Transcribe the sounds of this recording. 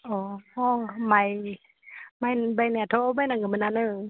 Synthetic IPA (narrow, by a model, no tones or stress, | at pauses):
ʔɔːɔŋmaj | majbajnɛt̪ʰobajnaŋkamananɯ